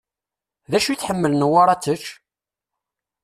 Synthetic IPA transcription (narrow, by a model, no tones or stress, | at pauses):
ðæʃujθħəmːəlnəwaɾˤɑt͡sːət͡ʃː